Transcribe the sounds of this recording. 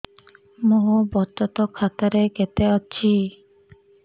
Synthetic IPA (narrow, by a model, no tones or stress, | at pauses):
moɦubɔt̪ɔt̪ɔkʰat̪aɾeket̪eɔt͡ʃʰi